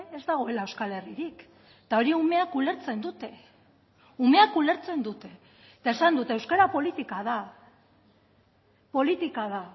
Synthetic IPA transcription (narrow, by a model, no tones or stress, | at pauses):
e̞zd̪aɣ̞o̞e̞laewskale̞riɾik | t̪ao̞ɾiume̞akule̞ɾt͡se̞nd̪ut̪e̞ | ume̞akule̞ɾt͡se̞nd̪ut̪e̞ | t̪aesand̪ut̪e̞ːewskaɾapo̞lit̪ikaða | po̞lit̪ikaða